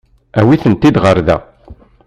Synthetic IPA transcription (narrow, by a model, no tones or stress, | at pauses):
æwiθənt̪id̪ʁəɾðæ̰